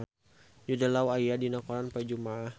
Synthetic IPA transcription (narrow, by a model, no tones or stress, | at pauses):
d͡ʒudalauajadinakɔɾanpəd͡ʒumaah